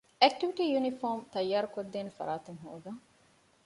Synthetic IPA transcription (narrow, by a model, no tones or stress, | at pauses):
ek̚ʈiʋiʈiːjunifoːmt̪ɐjːaːɾukɐd̪ːeːnefɐ̰ɾaːt̪eŋɦṵːɡ̪ɐŋ